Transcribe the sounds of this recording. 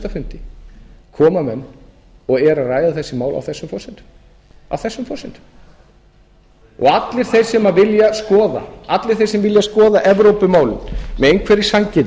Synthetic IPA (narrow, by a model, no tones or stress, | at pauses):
t̪afʏn̥t̪ɪkʰɔːmamɛnː | ɔɣɛɾaraːjðaθɛsːɪmaːwla̰wθɛsːʏmfɔsɪnt̪ | a̰wθɛsːʏmfɔsɪnt̪ | ɔ̰ɣat̪lɪɾ̥θejɾ̥sɛmavɪljaskɔːða̰at̪lɪɾ̥θejɾsɛmvɪljaskɔːðaʔɛvɾowpʏmaːwlɪ̰nmɛðejnkʰvɛɾɪsaɲcɪt̪